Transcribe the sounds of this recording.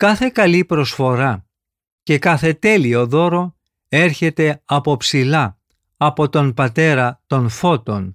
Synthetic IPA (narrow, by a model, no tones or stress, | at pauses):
kɐθe̞kɐlipɾo̞sfo̞ɾɐ | ce̞kɐθe̞t̪e̞lio̞ðo̞ɾo̞ | e̞ɾçe̞t̪e̞ɐpo̞psilɐ | ɐpo̞t̪o̞npɐt̪e̞ɾɐt̪o̞nfo̞t̪o̞n